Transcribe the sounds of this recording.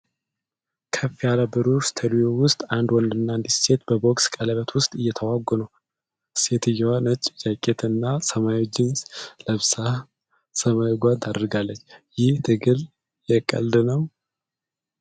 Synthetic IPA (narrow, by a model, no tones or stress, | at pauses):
kʰəfijalabɨɾust̪ʰəd̪ijowʊst̪ʼand̪wɔnd̪ɨnːand̪isse̞t̪̚bəbokskʼələβət̪wʊst̪ʼɨjːɛt̪ʰəwaɡːɔnuw | se̞t̪ʰɨjːɛwanət͡ʃʼːd͡ʒakʼːet̪ʰɨnːasəmajot͡ʃːɪnsləβsah | səmajɡʷat̪ʰad̪əɾɡalːət͡ʃːjɪht̪ʰɨɡɨl | jɛkʼːə̰ld̪ɨnəw